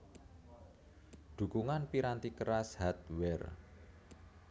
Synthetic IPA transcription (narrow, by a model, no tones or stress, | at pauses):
d̪̥ṳkuŋanpiɾant̪ikəɾashat̪̚wɛr